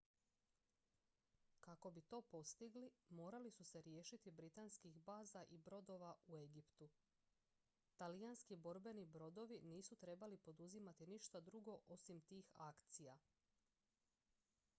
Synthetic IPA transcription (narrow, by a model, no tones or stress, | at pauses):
kako̞bit̪o̞ːpo̞st̪iɡlimo̞ːɾalisuse̞ɾje̞ːʃit̪ibɾit̪anskixbaːzaʔibɾo̞d̪o̞ʋaue̞ɡipt̪u | t̪alijanskibo̞ɾbe̞nibɾo̞d̪o̞ʋiniːsut̪ɾe̞balipo̞d̪uzimat̪iniʃt̪ad̪ɾuɡo̞ʔo̞simt̪iːxakt̪sija